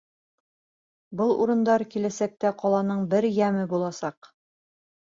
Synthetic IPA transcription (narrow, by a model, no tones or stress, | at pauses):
bɤlˠṵɾɤ̆nd̪ɑɾkilæsæk̚t̪æqɒlˠɑnɤɴbɘɾjæmɘbulˠɑsɑq